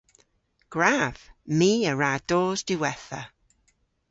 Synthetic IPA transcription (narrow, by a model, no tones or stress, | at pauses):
ɡ̥ɹaːv̥miːəɹaːd̥oːzdɪwɛθə̰